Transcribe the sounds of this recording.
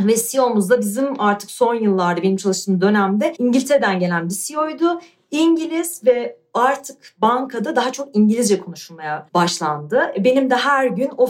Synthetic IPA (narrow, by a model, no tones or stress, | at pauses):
vɛsijo̞muzd̪abizimaɾt̪ʰɯ̥kso̞njɯlˠːaɾd̪abenimt͡ʃʰalˠɯʃt̪ʰɯmd̪ø̞næmd̪ɛiɲɟilʲit̪ʰeɾed̪ænɟe̞lʲænbisijo̞jd̪ʊ | iɲɟilʲiz̥vɛ | aɾt̪ʰɯkbaŋkʰad̪ad̪aɦat͡ʃʰo̞k̚iɲɟilʲizd͡ʒɛkʰo̞nuʃulˠmajabaʃlˠa̰nd̪ɯbe̞nimd̪ɛɦæɾɟyno